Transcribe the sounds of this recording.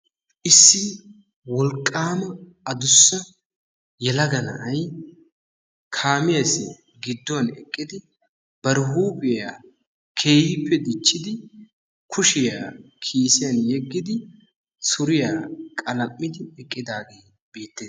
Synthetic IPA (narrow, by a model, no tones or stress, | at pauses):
ʔɪsːɪ | wɔlkʼːaːmɐ | ɐd̪ʊsːɐ | jɛlɐɡɐnɐʔɐj | kʰaːmɪjɐsɪ | ɡɪd̪ːɔɐnɛ̰kʼːɪd̪ɪ | b̥ɐɾɦuːpʼɪjaː | kʰeːhɪpːɛd̪ɪt͡ʃːɪd̪ɪ | kʰʊʃɪjaːkʰiːsɪjɐnjɛɡːɪd̪ɪ | sʊɾɪjaːkʼɐlɐmʼːɪd̪ɪɛkʼːɪd̪aːɡe̞ː | be̞ːt̪ːeː